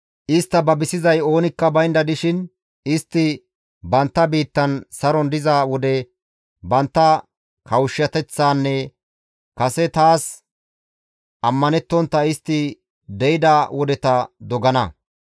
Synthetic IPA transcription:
ʔɪst̪ːɐbɐbɪsɪzɐjo̞ːnɪkːɐbɐjnd̪ɐd̪ɪʃɪn | ɪst̪ːɪ | bɐnt̪ːɐbiːt̪ːɐnsɐɾɔnd̪ɪzaːwɔd̪ɛ | bɐnt̪ːɐ | kʰɐwʃːɐt̪ɛt͡sːaːnːɛ | kɐsɛt̪aːs | ʔɐmːɐnɛt̪ːɔnt̪ːɐɪst̪ːɪ | d̪ɛjɪd̪awɔd̪ɛt̪ɐd̪ɔɡɐnɐ

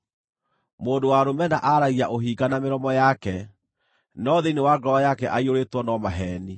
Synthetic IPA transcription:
moːndowaɾomɛnaʔaɾaɣiaʔoɦiːɡanameɾɔmɔjakɛ | nɔðeinewaɡɾɔɔjakɛʔaioɾetwɔnɔmaɦɛːni

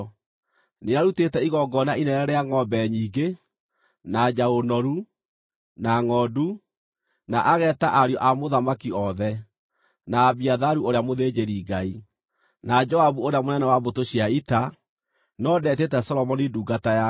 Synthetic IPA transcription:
neaɾutetɛiɣɔɡɔnainɛɾɛɾɛaŋɔbɛɲiːɡe | nad͡ʒaonɔɾu | naŋɔːdu | naʔaɣɛːtaʔaɾjɔʔamoðamakiɔðɛ | naːβiaðaɾuoɾeamoðed͡ʒeɾiːɡai | nad͡ʒɔaβuoɾeamonɛnɛwaβotoɕiaita | nɔdɛtetɛsɔlɔmɔniduːɡataja

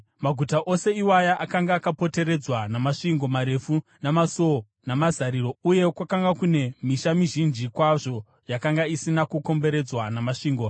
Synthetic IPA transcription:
maɡʱutaʔo̞se̞iwajaʔakaŋɡaːkapo̞te̞ɾe̞d͡zwanamaʂiŋɡo̞maɾe̞funamaso | namazaɾiro̞uje̞kwakaŋɡakune̞miʃamiʒind͡ʒikwaʐo̞ | jakaŋɡaisinakuko̞mbe̞ɾe̞d͡zwanamaʂiːŋɡo

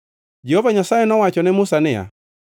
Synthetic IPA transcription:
d͡ʒɛhovaɲasaɛnɔwat͡ʃɔnɛmʊsanɪja̰

